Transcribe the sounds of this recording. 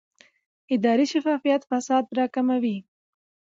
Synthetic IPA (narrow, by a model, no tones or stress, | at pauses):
ɪd̪ɑɾiʃafɑfijat̪fasɑd̪ɾɑkamawi